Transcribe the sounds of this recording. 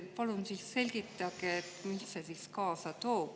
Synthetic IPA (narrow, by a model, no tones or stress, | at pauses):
pɑlunsiːsse̞lʲɡ̥it̪ːˑɑkeet̪missesiːskɑːsɑt̪oːp